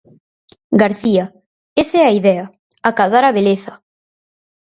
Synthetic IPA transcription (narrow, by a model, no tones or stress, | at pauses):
ɡaɾθia | esɛaiðɛa | akaðaɾaβeleθɐ